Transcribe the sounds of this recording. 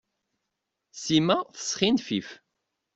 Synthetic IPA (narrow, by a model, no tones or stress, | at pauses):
simæθə̥sχinfif